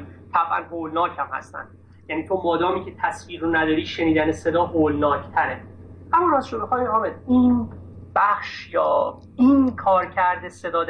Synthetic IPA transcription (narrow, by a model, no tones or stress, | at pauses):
t̪ʰæbʔæ̰nhoːlnɒːcʰhæmhæ̰st̪æ̰nd̪ | jæniːt̪ʰomɒːd̪ɒːmiːcʰe̞t̪ʰæsviːɾɾonæd̪ɒːɾiːʃe̞niːd̪ænese̞d̪ɒːɦoːlnɒːcʰt̪ʰæɾe | hæmunæzʃomexɒːimɒːmed̪in | b̥æxʃjɒː | inkʰɒːɾcʰæɾd̪ese̞d̪ɒːd̪